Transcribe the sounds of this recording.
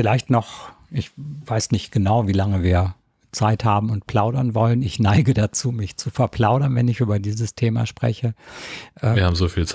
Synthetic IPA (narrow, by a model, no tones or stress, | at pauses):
fɪlaɪçtnɔχ | ʔɪçvaɪsnɪçt̚ɡ̥ənaʊviːlaŋəviːɐ | t͡saɪthaːbm̩ʊntpʰl̥aʊdɐnvɔlənɪçnaɪɡədat͡suːmɪçt͡sufɛɐpl̥aʊɾɐnvɛnɪçʔyːbɐdiːzəstʰeːma̰ʃpʁ̥ɛ̰çəʔɛɐhaːbm̩zoːfiːlt͡s